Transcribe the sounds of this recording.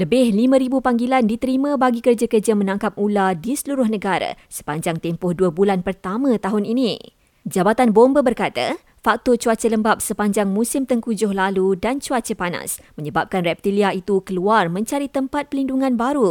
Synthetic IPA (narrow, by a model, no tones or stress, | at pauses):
ləbɪhlimə̃ɾibupaŋɡilandit̪əɾimə̃baɡikərd͡ʒakərd͡ʒamə̃nãŋkap̚uladisəluɾʊhnə̃ɡaɾa̰ | sə̥paɲd͡ʒaŋt̪empʊhduəbulanpərt̪amə̃t̪aɦʊnini | d͡ʒabat̪anbombəbərkat̪a̰ | fak̚t̪ɔt͡ʃuat͡ʃələmbap̚səpaɲd͡ʒaŋmũsɪmt̪əŋkud͡ʒʊhlaludant͡ʃuat͡ʃəpana̰smə̃ɲəbap̚kanrɛp̚t̪iliait̪ukəluarmə̃ɲt͡ʃaɾit̪əmpat̪̚pəlinduŋãnbaɾu